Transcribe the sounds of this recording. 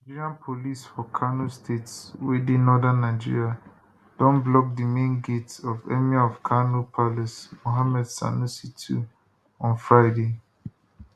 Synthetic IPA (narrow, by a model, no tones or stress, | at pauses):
ad͡ʒiɹiãnpʰolisfɔkʰanustʰetswedenɔdãnːaɪd͡ʒḭɹia | d̥ɔ̃nblɔk̚dimẽnɡetsɔvɛ̰miaɔfkʰanupʰalɛsmoɦamɛdsa̰nusitʰṵ | ɔ̃nfɹaɪde